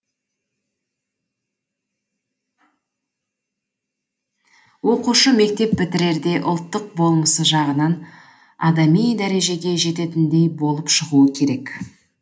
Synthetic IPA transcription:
wo̞quʃəme̞k̚t̪e̞pːɪt̪ɪɾe̞ɾd̪e̞ʔʊ̰lˠt̪ːəq̚bo̞lˠməsəʒɑʁənɑn | ɑd̪ɑmijd̪æɾe̞ʒe̞ɡʲe̞ʒe̞t̪e̞t̪ɪnd̪e̞jbo̞lˠəpʃəʁuəkʲʰe̞ɾe̞k

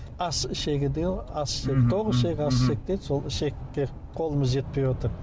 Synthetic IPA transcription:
ɑsɪʃe̞ɡʲɪd̪eɑsset̪ʰoʁɪʃeɡʲɪɑsʃek̚t̪ed̪so̞lˠɪʃekːe | qʰo̞lˠəməzʒe̞t̪̚pejwot̪əɾ

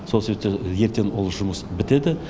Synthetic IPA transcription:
soseβep̚t̪eje̞ɾt̪e̞nolˠʒʊməsbɪt̪e̞d̪ɪ

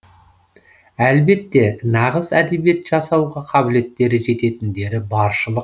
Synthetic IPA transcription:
ælbe̞t̪ːe̞nɑʁəzæd̪e̞bije̞t̪ʒ̥ɑsɑwʁɑqʰɑbɪle̞t̪ːe̞ɾɪʒe̞t̪e̞t̪ɪnd̪e̞ɾɪbɑɾʃəlˠəq̚

